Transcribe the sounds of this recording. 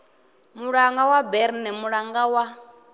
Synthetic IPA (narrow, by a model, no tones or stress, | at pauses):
muɺaŋɡawabɛɾnɛmuɺaŋɡawa